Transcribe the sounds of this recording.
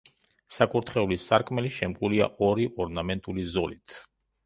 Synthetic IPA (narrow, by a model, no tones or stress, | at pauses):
sakʼuɾt̪ʰχɛulisaɾkʼʰmɛliʃɛmkʼulia̰ʔɔɾiʔɔɾnamɛnt̪ʼulizɔlit̪ʰ